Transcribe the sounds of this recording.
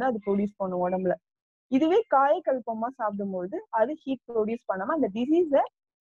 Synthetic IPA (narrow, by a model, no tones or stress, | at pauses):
d̪ãɐðɯpɾoːɽjuːspɐɳːɯ̃ɔɽɐmbɪlɐ | ɪðɯʋeːkaːjɐkɐlpɐmːaːsaːpɽɯmpoːðɯɐðɯhiːʈ̚pɾoɽjuːspɐɳːɐmːaːɪnd̪ɐɖɪsiːs̬ɐ